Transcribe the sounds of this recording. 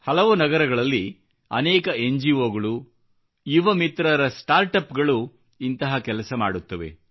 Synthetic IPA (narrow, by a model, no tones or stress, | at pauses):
hɐlɐʋunɐɡɐɾɐɡɐɭɐlːi | ɐ̰nɛːkɐeɲd͡ʒioːɡɐɭu | jiʋɐmit̪ɾɐɾɐsʈaːɾʈɐpɡɐɭu | int̪ɐɦɐkɛlɐsɐma̰ːɽut̪ːɐʋe̞̰